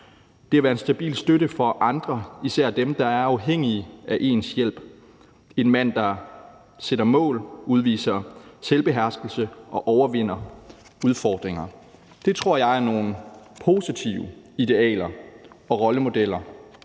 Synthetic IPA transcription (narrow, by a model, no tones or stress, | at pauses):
d̥e̝æʋæɐe̝nsd̥æb̥ḭːlsd̥øɾəfɒ̽ʔɑ̈nd̥ʁɐisæɐ̰d̥emd̥ɑ̈æɐɑ̈ʊɦeŋ̰iæʔe̝̰ːnsjel̰b̥ | e̝nmæn̰d̥ɑ̈ | seɾ̥ɐmɔ̰̽ːluð̞ˠʋḭːsɐselb̥e̝ɦæɐsɡ̥l̩səʔɒ̽ʔɒʊɐʋe̝n̰ɐuð̞ˠfɒːd̥ʁeŋɐ | d̥e̝t͡sʰʁo̝ɐ̰jɑ̈ɪæno̝ːn̩pʰo̝ːsit͡sʰiʊə | id̥e̝ɛ̰ːlɐɒ̽ʁɒ̽ləmo̝d̥el̰ɐ